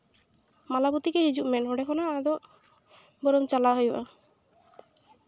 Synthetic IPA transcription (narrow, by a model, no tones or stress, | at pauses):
malaput̪ikɛɦid͡ʒuʔmɛnɦɔɖɛkʰɔnaːd̪ɔʔ | bɔɾɔmt͡ʃalaɦojbʔa̰